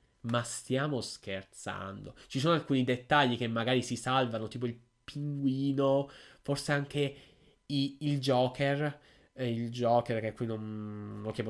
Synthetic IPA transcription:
mast̪jaːmoskert̪sa̰nd̪ot͡ʃisoːnoalkuːnid̪et̪ːaʎːik̟emːaɡaːɾisisalvanot̪iːp̬oil | piŋɡwiːnoforseaŋke | iild͡ʒɔːkʰer | ild͡ʒɔːkerk̟ekːwinonːokːep

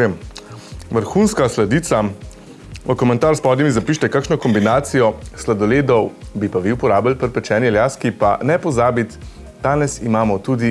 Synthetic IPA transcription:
em | ʋəɾxuːnskaslad̪iːt̪sa | ʋəkɔmɛnt̪aːɾspɔːd̪jimizapiːʃt̪ɛkaːkʃnɔkɔmbinaːt̪sijɔslad̪ɔleːd̪ɔwbipaʋiwpɔɾaːbjalpəɾpɛt͡ʃɛːnjɛljaːskipanɛpɔzaːbit̪ | d̪aːnɛsimaːmɔt̪ud̪i

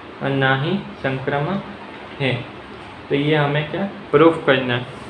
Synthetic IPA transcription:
ɔ̰naːɦĩsə̃ŋkɾəmə | ɦɛ̃ | t̪ojeɦɐmẽkjapɾuːfkɐɾna

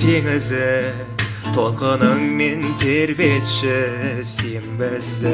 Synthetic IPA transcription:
t̪ʰeŋɪzɪ | t̪ʰo̞lˠqənəmme̞nt̪ʰeɾbet̪ʃɪsembɪz

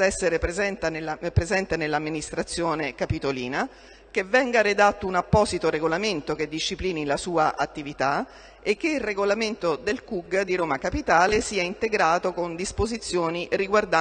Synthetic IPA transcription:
ɛsːeɾepɾezɛnt̪anelapɾezɛnt̪enelːamːinist̪ɾat̪sːjoːnekapit̪olḭːna | k̟evːɛŋɡaɾed̪at̪ːounapːɔːzit̪oɾeɡolament̪ok̟ed̪ːiʃːipliːnilasuːaʔat̪ːivit̪a | ek̟ːeilreɡolament̪od̪elkuɡd̪iɾoːmakapit̪aːlesiːaint̪eɡɾaːt̪okond̪ispozit̪sːjoːniɾiɡward̪a

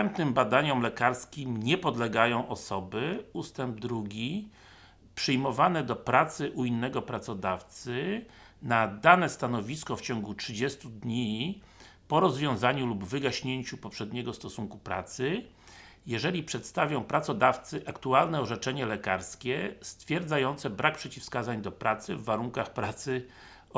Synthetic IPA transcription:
st̪ɛmpnɘmbad̪aɲɔmlɛkaɾskʲimɲɛpɔd̪lɛɡajɔ̃w̃ʔɔsɔbɘust̪ɛmb̚d̪ɾuɡʲi | pʂɨjmɔvanɛd̪ɔpɾat̪sɘʔuinːɛɡɔpɾat̪sɔd̪aft̪sɘ | nad̪anɛst̪anɔvʲiskɔft͡ɕɔŋɡutʂɘd͡ʑɛst̪ud̪ɲi | pɔɾɔzvʲjɔ̃w̃zaɲulubvɘɡaɕɲeɲt͡ɕupɔpʂɛd̪ɲɛɡɔst̪ɔsuŋkupɾa̰t̪sɘ | jɛʐɛlʲipʂɛt̪st̪avʲjɔ̃w̃pɾat̪sɔd̪aft̪sɘʔakt̪ualnɛɔʐɛt͡ʂɛɲɛlɛkaɾskʲɛst̪fʲjɛɾd̪zajɔnt̪sɛbɾak̚pʂɛt͡ɕifskazaɲd̪ɔpɾat̪sɘvːaɾuŋkaxpɾat̪sɘ

